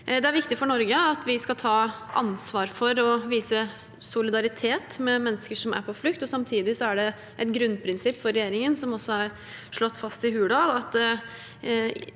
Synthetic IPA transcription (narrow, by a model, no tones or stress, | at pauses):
d̪ɛæɾʋɪkt̪ɪfɔɳɔɾɡəɑt̪ʰʋɪskɑt̪ʰɑː | ʔɑ̰nsʋɑːɾfɔɾɔʋiːsə | sʊlɪd̪ɑɾɪt̪ʰeːt̪mɛmɛnːəskəʂɔmʔæ̰ɾpʰɔflʏkt̪ɔsɑmt̪ʰiːd̪ɪsɔæɖɛ | ʔɛt̪ɡɾʉnpʰɾɪnsɪpːfɔɾɛjeːɾɪŋənsɔmɔsːɔɑɾ | ʂɭɔt̪ːfɑst̪ɪɦʉːɖɑlɑt̪